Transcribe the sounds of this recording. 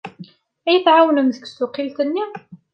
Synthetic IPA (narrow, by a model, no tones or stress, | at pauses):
æjət̪ʕawnəmðəksuqilt̪ənːi